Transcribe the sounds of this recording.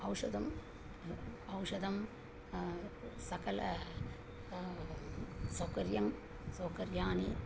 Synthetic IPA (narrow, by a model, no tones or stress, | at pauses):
ɐwʂɐd̪ɐm | ɐwʂɐd̪ɐm | sɐkɐlɐ | soːkɐɾjɐm | soːkɐɾjaːni